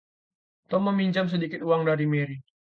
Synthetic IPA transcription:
t̪ɔmːəmiɲt͡ʃams̬ədikɪt̪uaŋdaɾimeɾi

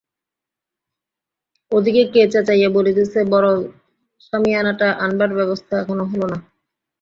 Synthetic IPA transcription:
od̪ʱikeket͡ɕat͡ɕajaboled̪isʰebɔɾo | ʃamianaʈaʔanbaɾbɛβost̪ʰaɛkʰonoɦolona

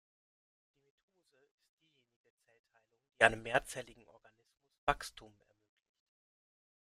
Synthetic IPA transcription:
d̥iːmetʰoːzəɪst̚d̥iːjeːnɪɡət͡sɛltʰaɪlʊŋd̥iːʔaɪnəmːeːɐt͡sɛːlɪɡŋ̩ʔɔɐɡanɪsmʊsv̥akstʰuːmɛ̰ɐmøːklɪçt

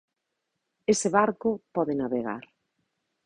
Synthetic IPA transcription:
esɪβaɾkʊpɔðɪnaβeɣa̰ɾ

